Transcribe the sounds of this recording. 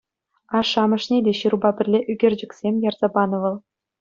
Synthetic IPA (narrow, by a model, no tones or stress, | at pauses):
ɑʂɑmɤ̆ʂnʲedʲeɕirubɑbʲɘ̆rʲlʲeʔyɡʲerʲd͡ʑɘ̆kʲsʲemʲjɑrz̥ɑbɑnɤ̆ʋɤ̆lˠ